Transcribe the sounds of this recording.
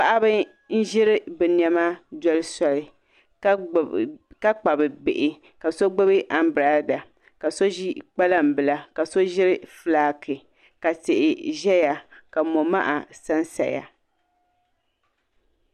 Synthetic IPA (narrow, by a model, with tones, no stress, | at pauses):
pa˦ʔa˦bɨ˦ | n̩˦ʒɪ˦ɾɪ˦bɨ˨n˦ɛ˦ma˦dɔ˦lɨ˦sɔ˨lɪ˨˦˨ | ka˦k͡pa˨bɨ˨bɪ̰˨ʔɪ˨ | ka˨so˦ɡ͡bɨ˦bɨ˦ʔa˦m˦bɾa˦da˨ | ka˨so˦ʒi˦k͡pa˦la˦m̩˨bɨ˨la˦ka˨so˦ʒɪ˦ɾɪ˦fɨ˨˦laː˦kʰɨ˨ | ka˨tɪ˨ʔɪ˨ʒɛ˦ja˨ka˨mo˨ma̰˦ʔa̰˨sa˦n˦sa̰˨ja̰˨